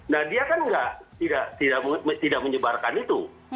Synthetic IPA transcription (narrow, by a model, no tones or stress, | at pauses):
nahdiakanŋɡaʔt̪idaʔt̪idaʔmət̪idak̚məɲəbarkanit̪u